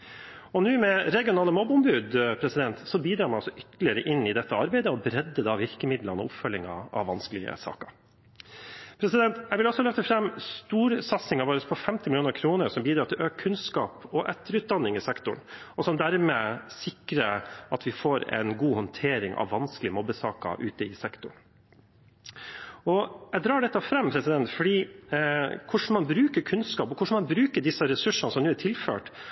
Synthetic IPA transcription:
ɔnʉːmɛɾɛɡɪʊnɑːləmɔbʊmbʉːd̪pʰɾɛsɪd̪ɛnt̪sɔbiːd̪ɾɑːɾmɛɔsɔʔʏt̪əlɪəɾəʔɪnːɪd̪ɛt̪ːəɑɾbæɪd̪əɔbɾɛd̪ːəd̪ɑʋɪɾkəmɪd̪lənɔ̰ʊpfœlːɪŋɑ̰ɑ̰ʋʋɑnskəlɪɡə̰sɑ̰ːkəɾ | pʰɾɛsɪd̪ɛnt̪jæʋɪlɔsɔɑlœft̪əfɾɛmːst̪uːɾsɑt̪sɪŋɑʋɑːɾəspʰɔfɛmt̪ɪmɪluːnəɾkʰɾuːnəɾsɔmbiːd̪ɾɑːɾt̪ɪlʔøːkkʰːʉnskɑːpɔʔɛt̪ːəɾʉːt̪̚d̪ɑnːɪŋɪsɛkt̪ʊɳ | ɔsɔmd̪æɾmesɪkɾəʔɑt̪ʋɪfoːɾɛ̰ɪnɡuːhɔnt̪ʰeːɾɪŋʔɑ̰ʋːɑnsklɪəmɔbːəsɑːkə̰ʔʉ̰ːt̪əɪsɛkt̪ʊɳ | ɔjɛd̪ɾɑːɖɛt̪ːɑfɾɛmpʰɾɛsɪd̪ɛnt̪fɔɖiː | kʰʊʂɳ̩mɑnbɾʉːkəɾkʰʉnskɑːpɔkʰʊʂɳ̩mɑnbɾʉːkəɖɪsːəɾɛsʉʂənəsɔmnʉːæʈʰɪlfø̰ːʈ

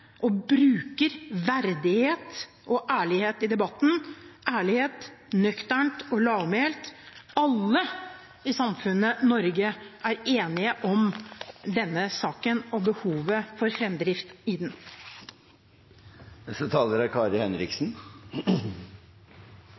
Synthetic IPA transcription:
ʔɔbɾʉːkəɾʋæɾd̪ɪheːt̪ | ɔʔæːɭɪheːt̪ɪd̪ɛbɑt̪ːn̩ʔæːɭɪheːt̪nœkt̪əɳʈɔlɑːʋmeːlt̪ɑlːə | ɪsɑmfʉnːənɔɾɡəæɾeːnɪəʔɔmd̪ɛnːəsɑːkənɔbəhuːʋəfɔɾfɾɛmd̪ɾɪft̪id̪n | sɔt̪ʰɑːləɾækʰɑːɾəhɛnɾɪksn

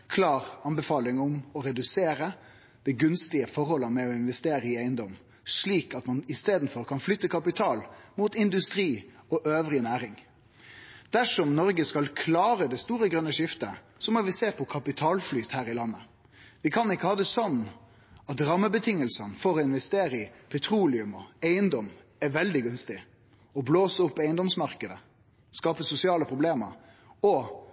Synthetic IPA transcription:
kʰlɑːɾɑnbɛfɑːlɪŋɔmɔɾɛd̪ʉseːɾə | d̪̥ɛɡʉnst̪ɪəfɔɾhɔlːəmɛɔɪnʋɛst̪eːɾəɪæɪənd̪ɔm | ʂɭiːkɑt̪mɑnɪst̪eːd̪n̩fɔɾkʰɑnflʏt̪ːəkʰɑpɪt̪ʰɑːlmuːt̪ɪnd̪ʉst̪ɾiːɔʔøːʋɾɪnæːɾɪŋ | d̪̥æʂɔmnɔɾɡəskɑlkʰlɑːɾəd̪ɛst̪uːɾəɡɾʁœnːəʂɪft̪ə | sɔmɔʋɪseːpʰɔkʰɑpɪt̪ʰɑːlflyːt̪hæːɾɪlɑnːə | ʋɪkʰɑnɪkːəhɑːd̪ɛsɔnː | ɑt̪ɾɑmːəbət̪ʰɪŋːəlsənfɔɾɔɪnʋɛst̪eːɾəɪpʰɛt̪ʰɾuːlɪʉmɔæɪənd̪ɔm | æʋɛld̪ɪɡʉnst̪ɪ | ɔbloːsəʊpːæɪənd̪ɔmsmɑɾkəd̪ə | skɑːpəsʊsɪɑːləpʰɾʊbleːmə̰ɾ | ɔ

